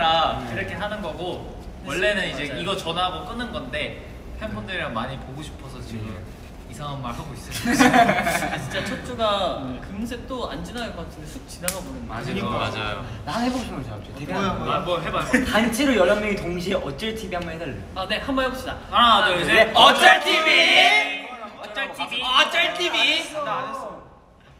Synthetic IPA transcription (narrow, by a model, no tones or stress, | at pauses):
ɾaiɾʌkʰe̞ɦanɯnɡʌɡo | wʌɭːe̞nɯnid͡ʑe̞iɡʌt͡ɕʌnaɡok͈ɯnːɯnɡʌnde̞ | pʰepʰʌndɯɾeɾaŋmaɲipoɡoɕʰi̥pʰʌsʰʌt͡ɕiɯ | isʰaŋamːaɭɦaɡois͈ɯ | t͡ɕint͡ɕ͈at͡ɕʰʌt͡ɕ͈uɡakɯmsʰek̚t͈oa̰nd͡ʑinaaɭk͈ʌk͈atʰɯndesʰuk̚t͡ɕinaŋabonɯna̰iad͡ʑa̰jo̰nanheboɕʰinɡʌnt͡ɕat͡ɕ͈oteɡioɦaɡoanbʌɦebatant͡ɕʰeɾojʌɭːaŋmjʌŋitoŋɕʰieʔʌt͡ɕ͈ʌɭtʰibiɦambɭhedaɭːeane̞kʰanbʌnɦeboɕʰida | ʌt͡ɕ͈ʌɭtʰibi | ʌt͡ɕ͈ɭtʰt͡ɕ͈ʌɭtʰibia